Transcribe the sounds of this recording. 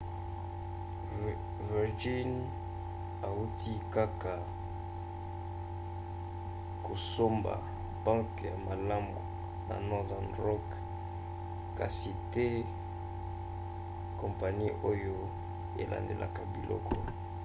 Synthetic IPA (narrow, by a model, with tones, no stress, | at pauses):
vi˨ʁd͡ʒi˦n | a˨u˦tʰi˦ka˦ka˨ | ko˨so˦mba̰˨ | bã˦ŋkja̰˨ma˨la˦mbo˨ | na̰˨nɔ˦da˨nʁɔ˦k | ka˨si˨te˦ | ko˨mpa˨ni˦ʔo˦jo˦ | e˨lʔa̰˨ndḛ˨lʔa̰˨ka˨bi˨lɔ̰˦kʰɔ˦